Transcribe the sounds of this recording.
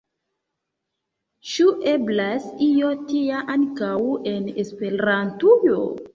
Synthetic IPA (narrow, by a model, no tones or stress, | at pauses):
t͡ʃuʔeblasijotiaʔankawenespeɾantujo